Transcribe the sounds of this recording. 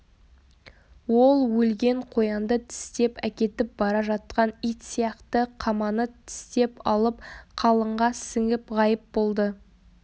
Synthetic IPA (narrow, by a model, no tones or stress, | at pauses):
wo̞lˠwɵlɡʲe̞ɴqʰo̞jɑnd̪ət̪ʰɪ̥st̪e̞pækʲe̞t̪ɪp̚bɑɾɑʒɑt̪̚qɑnijt̪sijɑqt̪əqʰɑmɑnət̪ʰɪ̥st̪e̞pɑlˠəp̚qʰɑlˠəɴʁɑsɪŋɪpʁɑjəp̚bo̞lˠd̪ə